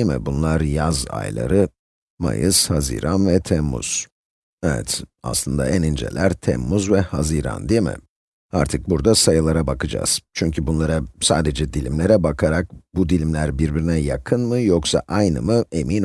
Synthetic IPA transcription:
mɪ̰bunlˠaɾjaza̰jlˠa̰ɾɯ | ma̰jɯshazḭːɾʔanvɛt̪ʰɛmːṵz̥ | ɛvɛ̰t̪a̰slˠɯnd̪a̰ænind͡ʒɛ̰lʲʔæɾt̪ʰɛ̰mːuzvɛhaziɾa̰nd̪ijmɪ̰ | a̰ɾt̪ʰɯk̚buɾd̪asajɯlˠaɾabakʰɯd͡ʒa̰ːz̥t͡ʃʰyɲcʰybunlˠaɾasaːd̪ed͡ʒɛd̪ilʲimlʲe̞ɾɛbakʰaɾak̚bud̪ilʲimlʲæɾbiɾbiɾinɛjakʰɯnmɯjoksa̰ʔajnɯmɯe̞min

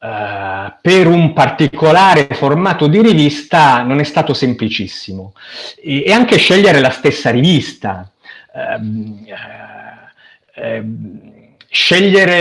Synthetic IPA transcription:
peɾumpart̪ikolaːɾeformaːt̪od̪iɾivist̪anonɛst̪aːt̪osemplit͡ʃisːimoː | aŋk̟eʃɛʎːeɾelast̪esːaɾivist̪a̰ | ʃɛʎːeɾe

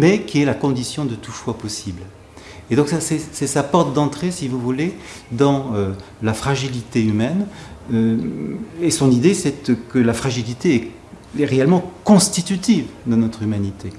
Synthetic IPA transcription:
mɛkʰʲiɛlakɔ̃d̪isjɔ̃d̪ət̪ufwapɔsibl | ed̪ɔ̃ksasɛsɛsapɔʁt̪̚d̪ɑ̃t̪χesivuvule | d̪ɑ̃ø | lafχaʒilit̪eymɛnø | esɔ̃nid̪esɛt̪kəlafχaʒilit̪eɛ | ɛʁeɛlmɑ̃kɔ̃st̪it̪yt̪ivd̪ɑ̃nɔt̪χymanit̪e

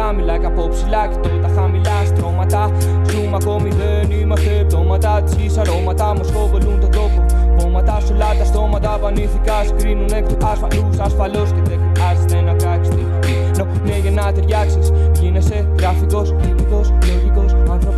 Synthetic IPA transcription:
ɐmilɐkɐpopsilɐci̥t̪ot̪ɐxɐmilɐst̪ɾomɐt̪ɐ | sumɐko̞miðenimɐst̪epðomɐt̪ɐt̪isisɐɾomɐt̪ɐmuskovolunt̪ot̪ɾopuomɐt̪ɐsolɐt̪ɐst̪o̞mɐt̪ɐpɐniθikɐskɾinunekt̪oɐsfɐlusɐsfɐloscet̪ekoɐsit̪enɐpɾakst̪e | i | nopuneʝenɐt̪eɾʝaksisʝineset̪ɾɐfikoset̪ikoset̪ikosɐnɾo

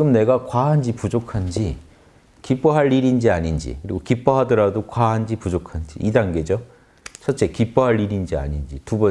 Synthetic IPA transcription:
ɡɯmne̞ɡakwaɦand͡ʑipud͡ʑokʰand͡ʑi | kip͈ʌɦaɭːiɾind͡ʑiaɲind͡ʑḭkɯɾiɡokip͈ʌɦadʌɾadokwaɦand͡ʑipud͡ʑokʰand͡ʑḭʔidaŋɡe̞d͡ʑo | t͡ɕʰʌt̚t͡ɕ͈e̞kip͈ʌɦaɭːiɾind͡ʑia̰ɲind͡ʑitubʌ

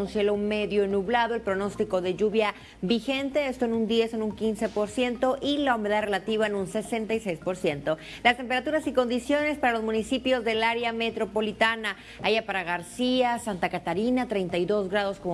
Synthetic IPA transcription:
unsje̞lome̞ðjo̞enuβlaðo̞elpɾo̞no̞st̪iko̞ðe̞ʝuβja | βixe̞nt̪e̞est̪oenund̪iesonuŋkinse̞po̞ɾsje̞nt̪o̞ʔilaume̞ðaðrelat̪iβaenunse̞se̞nt̪ajsejspo̞ɾsje̞nt̪o̞ | last̪e̞mpeɾat̪uɾasiko̞nd̪isjo̞ne̞spaɾalo̞zmũnisipjo̞zðe̞laɾeame̞t̪ɾo̞po̞lit̪ana | ajapaɾaɣaɾsiasant̪akat̪aɾinat̪ɾe̞jnt̪ajðo̞zɣɾaðo̞skom

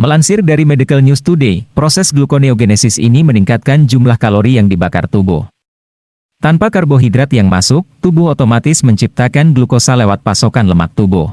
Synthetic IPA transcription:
məlansɪrdaɾimedikəlnust̪udepɾosɛsɡlukoneoɡenɛsɪsḭniməniŋkat̪̚kand͡ʒumlahkaloɾijaŋdibaka̰rt̪ubɔ̰h | t̪anpakarboɦid̪ɾat̪jaŋmasʊk̚t̪ubʊhot̪omat̪ɪsməɲt͡ʃip̚t̪akanɡlukosalewat̪̚pasokanləma̰k̚t̪ubɔ̰h

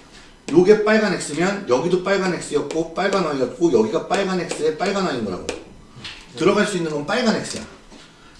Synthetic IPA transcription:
joɡe̞p͈aɭɡanɦek̚s͈ɯmjʌnjʌɡidop͈aɭɡanɦe̞k̚s͈ɯjʌt̚k͈op͈aɭɡanaijʌt̚k͈ojʌɡiɡap͈aɭɡanɦe̞k̚s͈ɯep͈aɭɡanainɡʌɾa̰ɡo̰ | tɯɾʌɡaɭs͈uinːɯnɡʌnp͈aɭɡanɦe̞ks͈ɯja̰

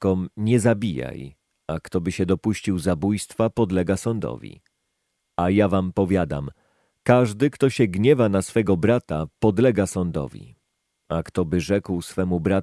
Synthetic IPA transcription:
kɔmɲɛzabʲija̰j | akt̪ɔbɘɕɛd̪ɔpuɕt͡ɕiwzabujst̪fapɔd̪lɛɡasɔnd̪ɔ̰vʲḭ | ajavampɔvʲjad̪a̰m | kaʐd̪ɘkt̪ɔɕɛɡɲɛvanasfɛɡɔbɾat̪apɔd̪lɛɡasɔnd̪ɔ̰vʲḭ | akt̪ɔbɘʐɛkwsfɛmubɾa

